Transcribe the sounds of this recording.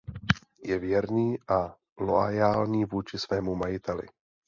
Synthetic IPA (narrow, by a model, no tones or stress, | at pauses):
jɛvjɛɾniːʔa | loajaːlɲiːvuːt͡ʃɪsvɛːmumajɪt̪ɛlɪ̰